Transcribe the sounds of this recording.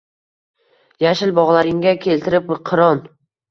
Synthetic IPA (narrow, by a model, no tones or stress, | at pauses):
jaʃɪlbɒʁlˠaɾɪŋɡʲakʲʰe̞lt̪ʰɪɾɪpqʰɨɾɒn